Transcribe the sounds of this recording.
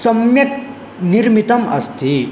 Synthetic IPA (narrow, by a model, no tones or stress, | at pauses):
sɐmjɐk | niɾmit̪ɐmɐ̰st̪ʰi